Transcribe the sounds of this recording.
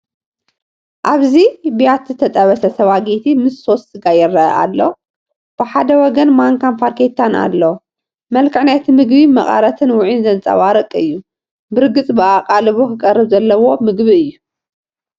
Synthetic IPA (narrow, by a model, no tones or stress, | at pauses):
ʔaβzibijat̪zɨt̪ʰɐt̪ʼɐβɐsɐsɐβaɡet̪ʰimɨsːo̞sɨɡajɛɾːɐɐ̰ʔa̰lːo | b̥ɨħad̪ɐwɔɡɐnmaŋkʰampʰaɾkʰet̪ʰːana̰lːo | mɐlkʰɨʕnajt̪ʰimɨɡbimɐχʼɐ̰ɾɐt̪ʰɨnwʊʕinzɐnt͡sʼɐ̰βaɾɐkʼɨ̰jːu | bɨɾɡɨt͡sʼbɨakʼalɨβokʰɨkʼɐrːɨβzɐlːɐwo̞mɨɡβiɨjːu